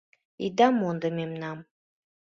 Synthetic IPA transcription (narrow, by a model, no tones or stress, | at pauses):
ḭd̪amond̪əmemnam